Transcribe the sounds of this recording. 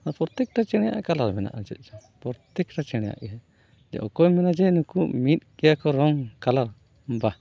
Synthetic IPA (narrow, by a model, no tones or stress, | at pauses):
apɔɾt̪ɛk̚ʈat͡ʃɛɽ̃ɛja̰ʔkalaɾmɛna̰ʔd͡ʒɛ̰t̪̚ˀd͡ʒapɔɾt̪ɛk̚ʈat͡ʃɛɽ̃ɛja̰ʔɛɛ | d͡ʒɛ̰ʔɔkɔjmɛnad͡ʒɛnukuʔmit̪̚kɛjakɔɾɔŋkalaɾ | ba